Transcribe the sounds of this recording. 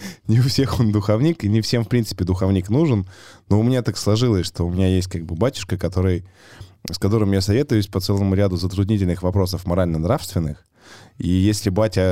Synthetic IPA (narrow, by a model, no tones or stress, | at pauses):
nʲɪʊfsʲe̞xo̞nd̪ʊxɐvnʲikinʲɪfsʲe̞mfpɾʲint̪sɨ̥pʲɪd̪ʊxɐvnʲiknuʐɨnnoʊmʲɪnʲat̪akslˠɐʐɨlˠəsʲʂt̪o̞ʊmʲɪnʲajesʲt̚ʲkaɡ̚bɨbatʲʊ̥ʂkəkɐt̪o̞ɾɨj | skɐt̪o̞ɾɨmjasɐvʲe̞t̪ʊjʊsʲpɐt̪sɛlˠəmʊɾʲad̪ʊzət̪ɾʊd̪ʲnʲitʲɪlʲnɨxvɐpɾo̞s̬əfmɐɾalʲnənɾafst̪vʲɪnːɨx | ijesʲlʲɪbatʲə